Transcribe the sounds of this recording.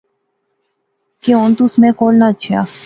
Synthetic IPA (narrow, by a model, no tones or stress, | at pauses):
keont̪usmẽːkoːlnat͡ʃʰa̰ː